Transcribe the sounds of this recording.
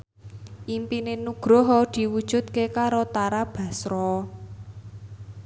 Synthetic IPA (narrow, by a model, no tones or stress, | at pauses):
ʔimpinenuɡ̥ɾɔɦɔd̪̥i̤wud̥ʒ̥ṳt̪̚kekaɾot̪aɾab̥a̤sɾɔ